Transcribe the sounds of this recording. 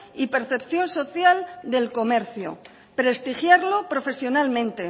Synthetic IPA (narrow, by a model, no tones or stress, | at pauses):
ipe̞ɾθe̞pθjo̞nso̞θjald̪elko̞me̞ɾθjo̰ | pɾe̞st̪ixjaɾlo̞pɾo̞fe̞sjo̞nalmẽ̞nt̪e̞